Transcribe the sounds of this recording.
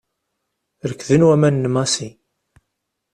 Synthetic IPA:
ɾəkːðənwæmænːəmɑsi

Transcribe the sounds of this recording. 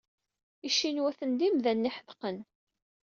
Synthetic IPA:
iʃːinwæθənd̪imðænːiħəðqən

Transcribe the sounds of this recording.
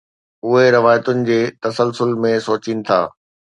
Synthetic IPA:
ʊɦeɾɐʋaːjət̪ʊnɪ̆d͡ʑeːt̪ɐsəlsʊlmẽsoːt͡ɕiːnɪ̆t̪ʰa̰ː

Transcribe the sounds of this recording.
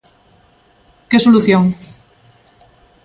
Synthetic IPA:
kesoluθjoŋ

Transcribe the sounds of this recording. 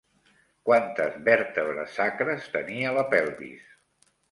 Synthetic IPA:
kwant̪əzβɛɾt̪əβɾə̰sakɾəst̪əniələpɛlˠβḭs

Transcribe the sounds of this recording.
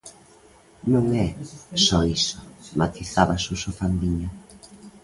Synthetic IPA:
nũŋɛsɔisomat̪iθaβasusofand̪iɲʊ

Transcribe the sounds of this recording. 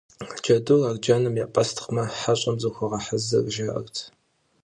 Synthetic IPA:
d͡ʒɐdurard͡ʒanɨmjapʼɐstʰχmɐħaɕʼɐmzɨxʷɐʁɐħazɨrʒaʔɐ̰rtʰ

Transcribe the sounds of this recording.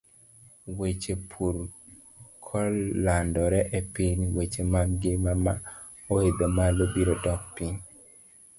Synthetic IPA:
wet͡ʃepʰuɾ | kʰɔlːandɔɾɛʔepiniwet͡ʃemaɡɪmama̰ | oed̪omalobiɾodɔk̚piɲ

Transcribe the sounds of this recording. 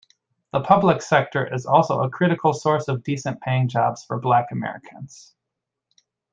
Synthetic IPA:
ðəpʰʌbləksɛk̚tʰə˞ʔɪzɔlˠsoʊəkʰɹ̥ɪɾɨkʰl̩ˠsɔɹsʌvdisɨ̃npʰeɪɪ̃ŋd͡ʒɑbz̥fə˞blækɨmɛ̰ɹɨ̰kʰə̃nz̥

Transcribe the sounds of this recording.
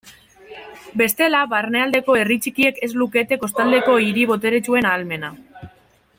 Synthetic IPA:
be̞st̪e̞laβarne̞ald̪e̞ko̞e̞rit͡ʃikie̞ke̞zluke̞t̪e̞ko̞st̪ald̪e̞ko̞iɾiβ̞o̞t̪e̞ɾe̞t͡ʃue̞naːlme̞na

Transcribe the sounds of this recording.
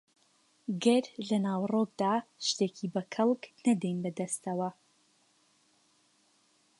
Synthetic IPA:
ɡɐɾlɐnaːwrokd̪aːʃt̪ekʰibɐkʰɐlˠknɐd̪ɛjnbɐd̪ɐst̪ɐwɐ

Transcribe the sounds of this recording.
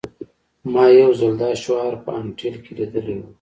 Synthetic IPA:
mɑjawzald̪ɑʃwɑɾpəanʈilkelid̪əlewu

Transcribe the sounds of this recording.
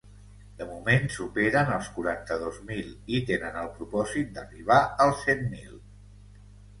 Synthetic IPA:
d̪̥əmumensupeɾənəlˠskuɾant̪əðozmilit̪enənəlˠpɾupɔzit̪̚d̪əriβ̞aəlˠsemːil

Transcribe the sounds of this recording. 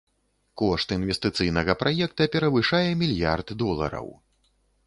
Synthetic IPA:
kɔʂt̪invʲɛst̪ɨt̪sɨjn̪ɐɣɐpɾʔajɛk̚t̪ɐpʲɛɾɐvɨʂajɛmʲilʲja̰rt̪d̪ɔlˠɐ̰ɾɐ̰w

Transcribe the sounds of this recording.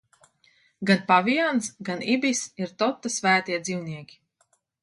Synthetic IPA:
ɡanpavijansɡanibisiɾt̪ɔt̪ːasvæːt̪iɛd̪ziwniɛkʲi̥

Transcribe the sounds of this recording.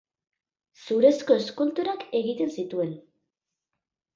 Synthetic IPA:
suɾe̞sko̞eskunt̪uɾake̞ɣit̪e̞nsit̪ue̞n

